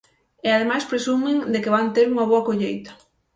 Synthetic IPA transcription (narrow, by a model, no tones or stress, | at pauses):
ɪaðemajspɾesumɪŋd̪ekɪβant̪eɾuŋɐβ̞oɐkoʎejt̪ɐ̥